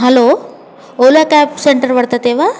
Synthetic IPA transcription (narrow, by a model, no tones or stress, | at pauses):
ɦɐlo | olakaːpseɳʈəɾʋɐɽt̪at̪eʋa